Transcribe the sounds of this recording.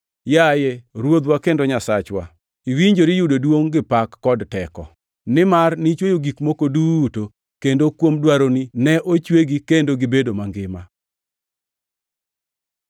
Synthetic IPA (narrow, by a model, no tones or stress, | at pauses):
jajeɾwod̪wakendoɲasat͡ʃwa̰ | iwiɲd͡ʒoɾijudodwoŋɡɪpakːɔdtɛkɔ̰ | nɪmarnit͡ʃwejoɡikmokoduto | kendokwomdwaɾoninɛʔot͡ʃweɡikendoɡɪbedomaŋɡɪma